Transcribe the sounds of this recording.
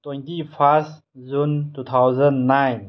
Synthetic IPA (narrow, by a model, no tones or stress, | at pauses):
twẽntipʰas | zuntut̪ʰawzənːajn